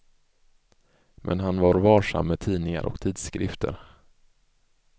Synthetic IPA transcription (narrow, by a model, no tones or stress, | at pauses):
mʔɛ̰nɦanvaɾvɑːʂa̰mːɛt̪ʰiːnɪŋa̰ɾʔɔ̰kt̪ʰiːd̪skɾɪft̪ʰə̰ɾ